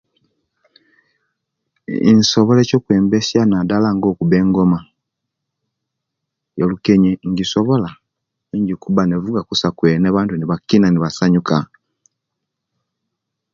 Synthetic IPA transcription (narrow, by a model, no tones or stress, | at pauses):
ḭnsoβolecoːkweːmbesjanadalaŋɡo̞ːkuβe̞ːŋɡo̞ma | jolukeɲiŋɟisoβo̞la | ɲɟikuβanevuɡakusakweneβaːntuniβakinaniβasaɲuka